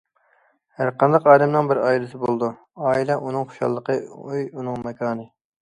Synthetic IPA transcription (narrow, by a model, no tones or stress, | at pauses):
hæɾqɑnd̪ɑqɑːd̪ɛmnɨŋbɪɾɑːilɪsɪbolˠd̪u | ɑːilɛʔunɨŋχo̥ʃɑ̰lˠːəqʰəøjunɨŋmɛkʰɑːnɨ